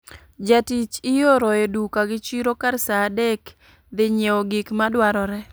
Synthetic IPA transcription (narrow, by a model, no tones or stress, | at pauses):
d͡ʒatit͡ʃɪjoɾɔjedukaɡɪt͡ʃiɾokaɾsaːdɛk | d̪ɪɲeɔɡikmadwaɾɔɾɛ